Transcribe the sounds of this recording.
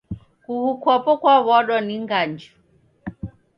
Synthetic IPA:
kuhukʰwapɔkwaβɔɗwɔniŋɡand͡ʒɔ

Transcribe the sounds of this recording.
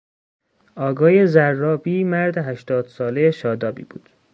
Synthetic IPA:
ɒːɡɒːjezærːɒːbiːmæɾd̪eɦæʃt̪ɒːd̪̥sɒːle̞jeʃɒːd̪ɒːbḭːb̥ṵːd̪̥

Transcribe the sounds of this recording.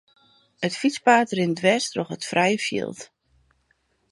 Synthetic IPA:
ətfit͡spaːtrɪndʋɛstroxətfrɛjəfjḭlˠt

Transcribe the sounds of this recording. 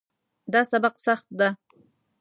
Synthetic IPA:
d̪asabɑqsɑχt̪d̪a

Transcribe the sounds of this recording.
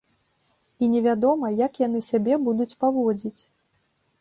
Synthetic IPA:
inʲɛvʲad̪ɔmɐjakjan̪ɨsʲabʲɛbud̪ut͡sʲpavɔd͡zʲit͡sʲ

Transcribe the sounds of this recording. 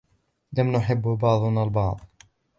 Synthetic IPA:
lamnʊħɪbːbɑʕðˤʊnalbɑʕd̪ˤ

